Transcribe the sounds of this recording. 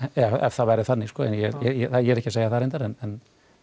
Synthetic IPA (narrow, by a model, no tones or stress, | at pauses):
ɛɛ̰v̥θavajɾɪθanːɪskɔːɛ̰njɛjɛjɛθajɛɾɛhcɪseːjaθaɾɛnt̪aɾɛnɛn